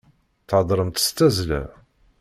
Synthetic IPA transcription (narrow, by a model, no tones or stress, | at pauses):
θʕɑd̪ˤɾˤəmt̪ə̥st̪æzlæ̰